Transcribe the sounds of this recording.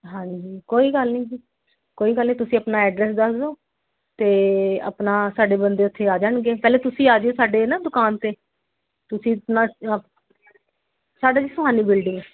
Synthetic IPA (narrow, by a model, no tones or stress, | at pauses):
ɦãːd͡ʒd͡ʒiːkoːiːɡəlnĩːd͡ʒiː | koːiːɡəlnĩːt̪ʊsĩːəpnaːɛːɖɾɛːsd̪əsd̪oː | t̪eːə̰pnaːsaːɖeːbənd̪eːʊt̪ʰːeːaːd͡ʒaːɳɡeːpɛːleːt̪ʊsĩːaːd͡ʒeːsaːɖeːnãːd̪ʊkaːnt̪eː | t̪ʊsĩːpnaː | saːɖaːd͡ʒiːsʊɦaːniːbɪlɖɪŋ